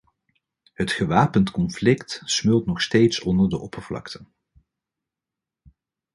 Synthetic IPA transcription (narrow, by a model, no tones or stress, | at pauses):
ɦətχəʋaːpəntkɔnflɪktsmɵlˠtnɔχstejtsɔndəɹdəʔɔpəɹv̥lɑ̰ktʰən